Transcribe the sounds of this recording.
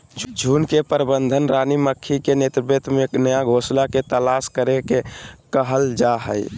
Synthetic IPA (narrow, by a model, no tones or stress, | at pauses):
d͡ʒd͡ʒʱunkepəɾbənd̪ʱənɾaniməkʰːikenet̪ɾbet̪menəjaɡʱoslaket̪əlaskəɾekekəɦəld͡ʒaɦə̰j